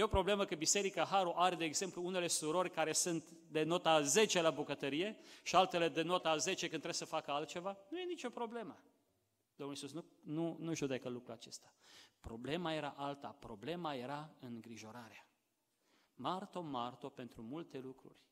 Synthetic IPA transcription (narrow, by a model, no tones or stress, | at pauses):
jeo̞pɾo̞ble̞məkəbise̞ɾikaɦaɾoʔaɾed̪eːɡze̞mpluune̞le̞suɾo̞rʲkaɾe̞sunt̪ | d̪e̞no̞t̪aze̞t͡ʃe̞labukət̪əɾije̞ʃialt̪e̞le̞d̪e̞no̞t̪əaze̞t͡ʃekɨnɾe̞b̥səfakəalt̪̚t͡ʃe̞vanuje̞nit͡ʃo̞pɾo̞ble̞mə | d̪omulisusnununuʒud̪ekəlukɾuat͡ʃe̞st̪ḁpɾo̞ble̞maje̞ɾa̰ʔalt̪a̰pɾo̞ble̞maje̞ɾaɨŋɡɾiʒo̞ɾaɾea | mart̪o̞mart̪o̞pe̞nt̪ɾumult̪e̞lukɾṵrʲ